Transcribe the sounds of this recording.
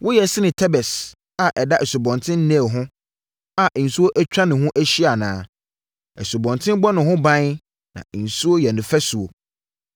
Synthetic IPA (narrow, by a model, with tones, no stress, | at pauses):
wʊ˦jɛ˨sɪ˦nɪ̃˨tʰɛ˦bɛ˨s | a˨ʔɛ˨da˦ʔɛ˨su˨bɔ̃˨ntʰɪ̃˦n̩˦nɛ̃˦˨ɦʊ̃˦ | a˨ʔn̩˨su˦o˦ʔæ˦t͡ɕᶣɾa˦nɪ̃˨ɦhʊ̃˦ʔæ˦ɕi˦a˨nãː˨˦ | ɛ˨su˨bɔ̃˨ntʰɪ̃˦mbɔ˦nʊ̃˨ɦʊ̃˦bã˦ | nã̰˨n̩˨su˦o˦jɛ˨nʊ̃˨fæ˦su˨o̰˨